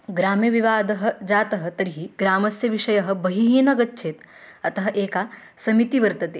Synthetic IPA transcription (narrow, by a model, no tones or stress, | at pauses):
ɡɾaːmjɐʋiʋaːd̪ɐɦɐ̆d͡ʒaːt̪ɐɦɐ̆t̪ɐɾiɦiɡɾaːmɐsjɐʋiʂɐjɐɦɐ̆bɐɦiɦiːnɐɡɐtːʃʰeːt̪ | ɐt̪ɐɦɐ̆ʔeːkaː | sɐmit̪iʋɐɾt̪ɐt̪eː